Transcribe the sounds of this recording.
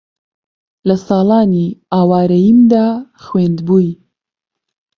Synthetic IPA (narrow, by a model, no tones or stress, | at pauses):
lɐsɑːlɑːniaːwaːɾɐjimd̪aːxwend̪buːj